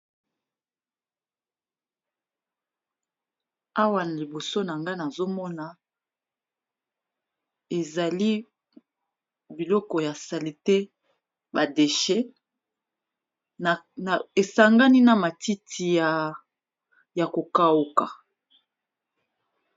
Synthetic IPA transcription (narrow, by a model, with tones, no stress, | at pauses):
a˦wa˨na˨li˨bo˨so˦na˨ŋɡa˦na˨zo˦mɔ˦na˨ | e˨za˨li˦ | bi˨lɔ˦kɔ˨ja˨sa˨li˨te˦ | ba˨de˨ʃɛ˦˨ | e˨sa˨ŋɡa˦ni˦na˨ma˨ti˦tʰi˨ja˨ | ja˨ko˨ka˦u˨ka˨